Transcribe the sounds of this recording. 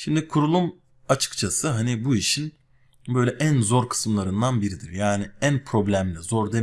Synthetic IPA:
ʃimd̪ikʰuɾulˠum | at͡ʃʰɯ̥kt͡ʃʰasɯɦanibuiʃin | bø̞jlʲɛʔænzo̞ɾkʰɯ̥sɯmlˠaɾɯnd̪anbiɾid̪iɾjaːniænpʰɾo̞blʲæmlʲizo̞ɾd̪e

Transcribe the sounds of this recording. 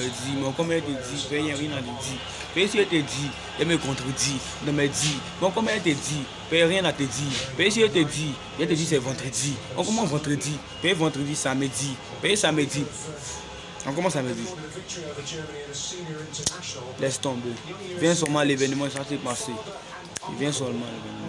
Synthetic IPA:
edimɛ̃ɔ̃kɔ̃mɛɛtedipɛjɛ̃ɾjɛ̃nãtedi | pɛesiɛtedi | jɛmekɔ̃tɾedĩtɔ̃mɛdimɛ̃ɔ̃kɔ̃mɛɛtedi | pɛɾjɛ̃nãtedipɛes̬iɛtedi | ɛ̃t̬edis̬ɛvãtɾediɔ̃kɔmɔ̃vãtɾedi | pɛevãtɾedisamedi | pɛesamedi | ɔ̃kɔmãs̬amedi | lɛst̪ɔ̃bevɛ̃s̬ɔmãlevɛnemãsãsepãse | ḛvjɛ̃s̬ɔlmãlevɛnem̃

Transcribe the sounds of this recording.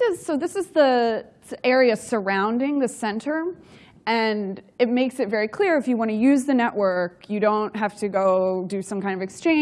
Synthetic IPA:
ɪz̥soʊðɪsɨzði | ʔɛɹiɨsə˞ãʊ̃ndɪ̃ŋðɨsɛ̃ntʰə˞ | ɨ̃nɨt̚meɪksɨtvɛɹikʰl̥ɪɹɨfjɨwɑñɨjʉzðɨnɛʔwɜ˞kjɨɾõʊ̃ntɦæftʰɨɡoʊdɨsʌ̃mkʰãɪ̃ndʌvɨkst͡ʃʰẽɪ̃

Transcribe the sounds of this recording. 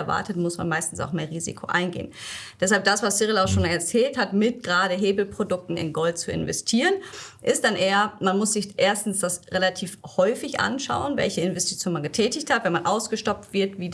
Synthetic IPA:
ɐva̰ɐtətmʊsma̰nmaɪstn̩sa̰ʊxmeːɐʁiːzḭkʰoʔa̰ɪnɡḛːənd̥ɛshalp̚d̥asv̥asɪʁəlaʊxʃoːnɛɐt͡sɛːlthatmɪt̚ɡ̥ʁaːɾəɦeːbl̩pʁ̥odʊk̚tn̩ɪ̰nɡɔlt̚t͡suɪ̰nvɛ̰stʰiːʁənʔɪst̚d̥anʔeːɐmanmʊsz̥ɪçʔeːɐstn̩sd̥asʁelatʰiːfhɔʏfɪçʔa̰nʃa̰ʊənvɛ̰lçəɪnvɛsti̥t͡sjoːnmanɡətʰɛːtɪçthatvɛnmanʔaʊsɡ̥əʃtɔp̚tv̥ɪɐtviː

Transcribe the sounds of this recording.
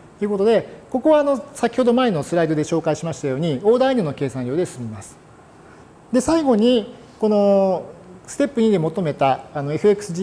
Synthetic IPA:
t̪eiɯ̟ko̞t̪o̞d̪e̞ko̞ko̞βaːno̞sakʲi̥ho̞d̪o̞mae̞no̞sɨɾaid̪o̞d̪e̞ɕo̞ːkaiɕimaɕi̥t̪ajo̞ːɲ̟io̞ːd̪ainɯno̞ke̞ːsãɾʲjo̞ːd̪e̞sɨmʲimasɨ̥ | d̪e̞saiɡo̞ɲ̟i | ko̞no̞ | sɨ̥t̪e̞pːɯ̟ɲ̟id̪e̞mo̞t̪o̞me̞t̪aːno̞e̞ɸɯ̟ekɯ̥sɨ

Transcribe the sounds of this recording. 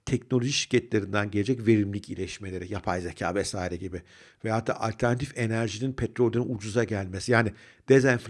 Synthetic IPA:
t̪ʰɛcnolʲo̞ʒiʃiɾcʰɛt̪lʲeɾind̪ænɟelʲe̞d͡ʒɛcve̞ɾimlʲicḭlʲɛʃme̞lʲe̞ɾijapʰajzecʰa̰ːvɛsaːiɾɛɟibɪ | veaɦat̪ʰːa̰ːʔalʲt̪ʰæɾnat̪ʰife̞næɾʒininpʰet̪ɾolʲːaninud͡ʒuzaɟælʲmesijaːnɪ | d̪̥ezɛnf

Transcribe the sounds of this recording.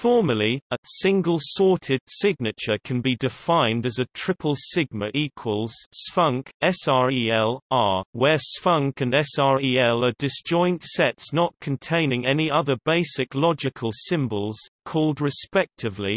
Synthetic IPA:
fɔɹməliəsɪ̃ŋɡəlˠsɔɹtʰɪd̥sɪɡ̚nɨt͡ʃəkʰə̃nbidɪfãɪ̃ndəzətʰɹ̥ɪpʰəlˠsɪɡ̚məʔiˑkʰwəlˠz̥sfʌ̃ŋkɛsɑɹiɛlˠəwə˞sfʌ̃ŋkə̃nɛsɑɹiɛlˠədɪsd̥ʒ̥ɔ̃ɪ̃ntsɛtsnət̚kʰə̃n̩tʰẽɪ̃nɪ̃ŋɛniʌðə˞beɪsɪklɒd͡ʒɪkʰəlˠsɪ̃mbəlˠz̥kʰɔːlˠdɹɪspɛk̚tʰɪvli

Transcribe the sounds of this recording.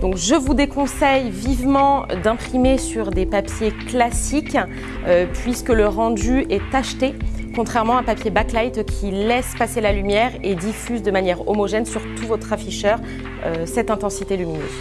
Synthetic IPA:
d̪ɔ̃kʒəvud̪ekɔ̃sɛjvivmɑ̃d̪ɛ̃pχimesyʁd̪epapjeklasik | øpɥiskələʁɑ̃d̪yɛt̪aʃt̪ekɔ̃t̪χɛʁmɑ̃ɛ̃papjebaklajt̪kʲʰilɛspaselalymjɛʁed̪ifyzd̪əmanjɛʁɔ̰mɔʒɛnsyʁt̪ʰuvɔt̪χafiʃœːʁ | øsɛt̪ɛ̃t̪ɑ̃sit̪elyminø̰z

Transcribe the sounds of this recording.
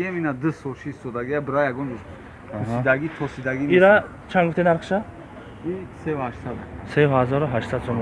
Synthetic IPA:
eminad̪ɨsɔlʃʰiːst̪ɔd̪aɡiabəɾajaɡɔnd͡ʒuɾ | kuɦid̪aɡit̪ʰɔsid̪aɡiiɾa | t͡ʃʰanɡuft̪ʰenaɾqʰə̥ʃa | isehaʃsad̪asehazɔɾuɦaʃsad̪sɔm

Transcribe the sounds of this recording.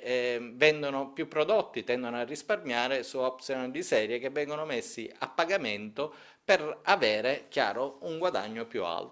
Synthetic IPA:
vɛnd̪onʊpjupːɾɔd̪ot̪ːit̪ɛnd̪onoarːisparmjaːɾɪsuɔp̚t̪sijonɪd̪isɛːɾjekevːɛŋɡonʊmesːia̰pːaɡament̪ʊ | pɪɾavɛːɾɪkja̰ːɾouŋɡwad̪a̰ɲːopjṵa̰lt̪

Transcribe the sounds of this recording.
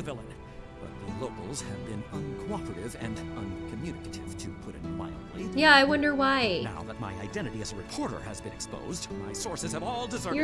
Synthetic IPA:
ɨvɪlˠə̃n | b̥ʌ̰t̪̚ðɨloʊkl̩ˠz̥ɨvbɨ̃nʌ̃nkʰw̥ɑpɹɨɾɪvɨ̃nʌ̃nkʰɨmjʉnɨkɾɪv̥tʰɨpʰʊɾɨ̰̃nwa̰ɪl̩ʔˡlijæaɪwʌ̃ndə˞waɪna̰ʊðət̚maɪaɪdɛ̃ɾ̃ɨɾiɨzəɹɨpʰɔɹɾə̰˞ɨzbɨ̃nɨkspo̰ʊzdmaɪsɔɹsɨz̥ɨvɔlˠdɨzɜə

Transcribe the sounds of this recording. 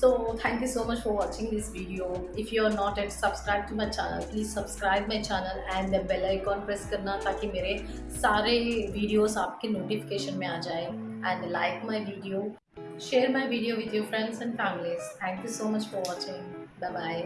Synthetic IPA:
soːt̪ʰɛ̃ŋkjusoːmɐt͡ʃfɔɾʋɔːt͡ʃɪ̃ŋd̪ɪsʋiːɖioɪfjuəɾnɔːʈɛʈssɐbskɾaɪb̚ʈumaɪt͡ʃɛ̰ːnə̰lpliːzsɐbskɾaɪbmaɪt͡ʃɛːnəlɛ̃ɳd̪ɛ̃bɛlaikɔ̃ːnpɾɛskɐɾnat̪aːkimeːɾe | saːɾeʋiːɖijoːzaːp̚kenoːʈifɪ̥keːʃənmẽaːd͡ʒaːe | ɛ̃ɳɖlaɪkmaɪʋiːɖio | ʃeːɾmaɪʋiːɖijoʋɪd̪ʰjufɾɛ̃ɳɖsɛ̃nɖkãŋlezt̪ʰɛ̃ːŋkjusoːmɐt͡ʃfɔɾʋɔːt͡ʃɪ̃ŋbaɪbaɪ

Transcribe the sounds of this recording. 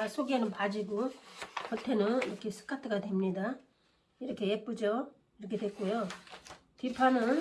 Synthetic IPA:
asʰoɡenɯnpad͡ʑiɡokʌtʰe̞nɯniɾʌkʰe̞sʰɯ̥kʰatʰɯɡadwe̞mɲida | iɾʌkʰe̞jep͈ud͡ʑʌ | iɾʌkʰe̞dwe̞t̚k͈ojo | tipʰanɯn

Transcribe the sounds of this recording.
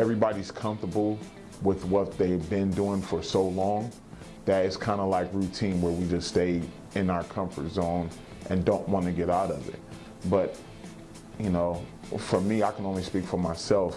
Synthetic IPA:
ɛvɹibɑɾiz̥kʰʌ̃ɱftə˞bl̩ˠ | wɪðwʌt̪̚ðeɪvbɪ̃nduɪ̃ŋfə˞soʊlɔ̃ŋ | ðɨɾɨz̥kʰãɪ̃ndəlaɪkɹʉtʰĩnwə˞wid͡ʒʌststeɪ | ɪ̃naʊə˞kʰʌ̃ɱfə̰˞tz̥õʊ̃n | ʔɨ̃ndõʊ̃nʔwɑ̃nɨɡɛɾaʊɾʌvɪ̰t̚ | b̥ʌt̚ | jɨnoʊ | fə˞miaɪkʰɨ̃nõʊ̃nlispikfə˞maɪsɛlˠf

